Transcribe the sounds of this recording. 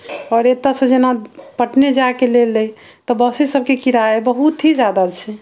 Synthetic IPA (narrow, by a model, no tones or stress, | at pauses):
ɔːɾet̪asə̃d͡ʒenapəʈned͡ʒakelelːej | t̪ɔbəsisəb̚ʱkekiɾaebəɦut̪ɦid͡ʒjad̪at͡ʃʰɛ